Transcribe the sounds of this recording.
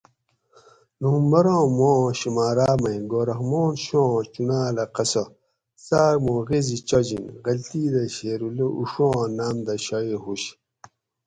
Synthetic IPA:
nuːmbɐɾõːmõːɕimaːɾaːmɐĩɡoːɾɐxmoːnɕõt͡ɕunaːlɐqɐsɐ | saːɡmoːɣezit͡ɕod͡ʑinɣɐlt̪iːd̪ɐɕeːɾuleuʂõːnaːmd̪ɐɕɐiɦuɕ

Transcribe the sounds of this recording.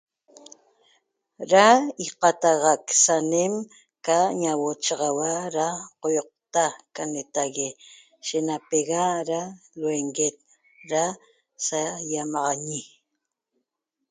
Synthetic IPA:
ɾaiqɑt̪ɑʁɑksanem | kaɲawot͡ʃɑʁɑwaɾaqojoq̚t̪akanet̪aɣe | ʃenapeɣaɾalweŋɡet̪̚ | ɾa | sajamɑʁɑɲi

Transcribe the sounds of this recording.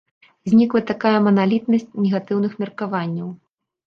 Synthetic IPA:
zʲnʲiklˠɐt̪akajɐmɐnalʲit̪nɐsʲt͡sʲnʲɛɣat̪ɨwnɨxmʲɛrkavanʲːɐw

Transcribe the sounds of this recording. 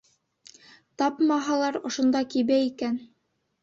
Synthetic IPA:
t̪ɑpmɑɦɑlˠɑɾŏʃŏnd̪ɑkiβæikæn

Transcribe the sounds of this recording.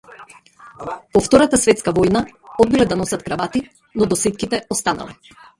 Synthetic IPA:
pɔft̪ɔɾat̪asvɛt̪skavɔjnaɔd̪̚bilɛd̪anɔsat̪kɾavat̪i | nɔd̪ɔsit̪̚kit̪ɛɔst̪ana̰lɛ

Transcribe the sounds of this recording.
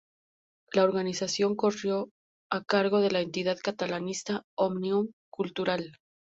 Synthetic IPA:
lao̞ɾɣanisasjo̞ŋko̞rjo̞ | akaɾɣo̞ðe̞laent̪iðaðkat̪alanist̪aomniumkult̪uɾal

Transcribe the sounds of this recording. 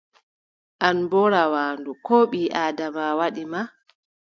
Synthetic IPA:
ʔanbɔɾawaːndukɔːɓiːʔaːdamawaɗima

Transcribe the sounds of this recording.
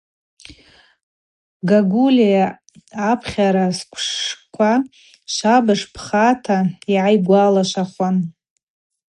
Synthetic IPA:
ɡaɡulijaː | pʰχʲaɾaskʷʰʂkʷʰa | ʃʷabɨʂpʰχatʰaiʕajɡʷalaʃʷaχʷan

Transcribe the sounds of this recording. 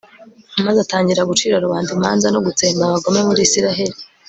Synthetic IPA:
amazataːɲɟiɾaɡut͡ʃiːɾoɾuβaːndimaːnzanoɡut͡seːmbaβaɡo̞mŋe̞muɾiːsiɾaɦe̞ɾi

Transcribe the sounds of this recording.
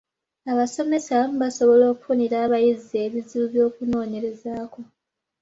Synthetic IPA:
aβaso̞me̞saβaso̞βo̞lo̞ːkufuniɾaːβajize̞ːβiziuβjo̞ːkuno̞ːɲe̞ɾe̞zaːko̞

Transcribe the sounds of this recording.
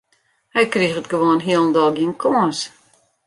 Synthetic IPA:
hɛjkrixətɡəʋoənɦiəlˠn̩dɔlˠɡiənkʰoːs

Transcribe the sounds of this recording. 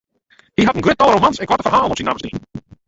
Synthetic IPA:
diɦatənɡrøt̚ːɔlˠrowmansɛnkʋatəfərɦaːlˠɔpsinaːməsnin

